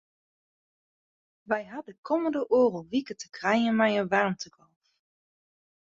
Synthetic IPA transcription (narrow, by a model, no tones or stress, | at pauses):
ʋɛjɦɑdəkʰɔməndəʔoːrəlˠʋikətəkrajənmajəʋɑɹmtəɡɔlˠf